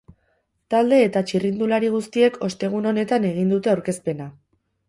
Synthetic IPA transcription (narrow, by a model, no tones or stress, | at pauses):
t̪ald̪e̞ːt̪at͡ʃirind̪ulaɾiɣ̞ust̪ie̞kʰo̞st̪e̞ɣ̞uno̞ne̞t̪ane̞ɣ̞ind̪ut̪e̞awɾke̞spe̞na